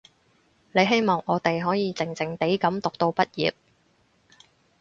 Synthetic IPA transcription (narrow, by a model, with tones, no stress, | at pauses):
ne˨˧jɦe˥jmɔː˨˩ŋʔɔː˨˧t̪e˨jɦɔː˨˥jiː˨˧t͡sɪ˨˩ŋt͡sɪ˨˩ŋt̪e˨˥jkɐ˨˥mt̪ʊ˨k̚t̪o˧wpɐ˥t̚jiː˨p̚